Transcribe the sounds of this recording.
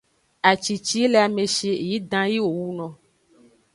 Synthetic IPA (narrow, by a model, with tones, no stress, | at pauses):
a˨t͡ʃi˨t͡ʃi˦le˨a˨me˨ʃe˨ji˦dã˦ji˦wo˨wu˦nɔ̃˨